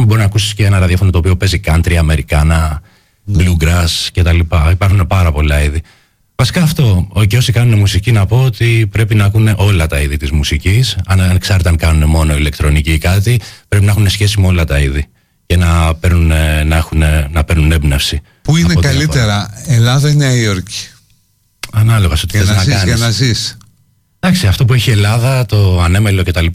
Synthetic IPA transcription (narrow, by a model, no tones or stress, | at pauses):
mbo̞ɾiznɐkusi̥sceenɐɾɐðiɐfo̞not̪opio̞pe̞zikɐnt̪ɾiɐme̞ɾikɐnɐ | bluɡɾɐsce̞t̪ɐlipɐipɐɾxune̞pɐɾɐpo̞lɐiði | vɐsi̥kɐːft̪o̞oceo̞sikɐnunemusicinɐpo̞ot̪ipɾe̞pinɐkune̞ʔo̞lɐt̪ɐiðit̪izmusicisɐnnksɐɾet̪eɐŋkɐnune̞mo̞no̞ile̞k̚t̪ɾo̞nicikɐt̪ipɾe̞p̬inɐxune̞sçe̞simeo̞lɐt̪ɐiði | ce̞nɐpe̞ɾnunenɐexunenɐpe̞ɾnune̞bnɐfsi | puineotkɐllit̪eɾɐelɐðɐineɐioɾci̥ | ɐnɐlo̞ɣɐsot̪iθenɐzkiɐniɐsnɐzis | d̪ɐksiɐft̪o̞p̬ue̞çie̞lɐðɐt̪o̞ɐne̞melo̞ce̞t̪ɐlip